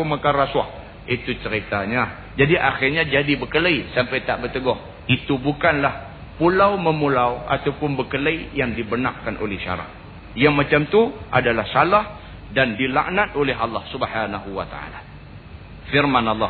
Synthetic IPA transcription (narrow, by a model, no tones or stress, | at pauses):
umakarasuah | it̪ut͡ʃəɾit̪aɲa | d͡ʒadiʔa̰xirɲad͡ʒadibəkələisampajt̪aʔbət̪əɡɔh | it̪ubukanlah | pulawməmulawʔa̰t̪awpʊnbəkələijaŋdibənaʔkanʔo̰lɛhʃa̰ɾa̰t̪̚ | jaŋmat͡ʃamt̪uʔa̰dalahsalah | dandila̰ʔnat̪̚olɛɦʔɑlˠːɑhsubhanaɦuwat̪a̰a̰la | fɪrmanɑlˠːɑ